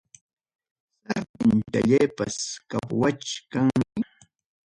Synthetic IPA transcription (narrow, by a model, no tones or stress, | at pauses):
saɾp̪ɪnt̪aʎajpaskapwat͡ʃkaŋmɪ